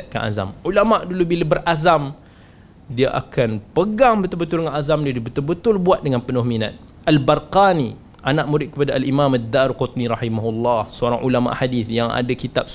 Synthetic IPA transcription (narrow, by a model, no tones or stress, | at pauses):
aʔ̪̚ka̰nʔa̰za̰mulamaʔdulubiləbərazam | diaʔa̰kanpəɡaŋbət̪ʊlbət̪ʊldəŋanazamdiadibət̪ʊlbət̪ʊlbuat̪̚dəŋanpənʊhmina̰t̪̚ | albarqani | ʔanaʔ̚muɾɪʔ̪̚kəpadaʔalimãmad̪aɾqʊt̪̚niɾɑħimaɦulːɑhsəoɾaŋʔulama̰ʔħadiθjaŋa̰dakit̪ap̚s